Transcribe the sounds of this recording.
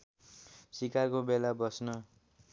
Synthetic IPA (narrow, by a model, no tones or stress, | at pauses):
sikakobelabʌsnʌ